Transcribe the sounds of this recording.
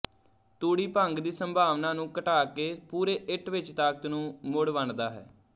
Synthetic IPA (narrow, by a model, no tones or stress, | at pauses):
t̪uːɽiːpə̃ŋɡd̪iːsəmbʱaːʋnãːnũːkəʈaːkeːpuːɾeːʔɪʈʰʋɪt͡ʃt̪aːkət̪nũːmʊɽʋəɳd̪aːɦɛ̰ː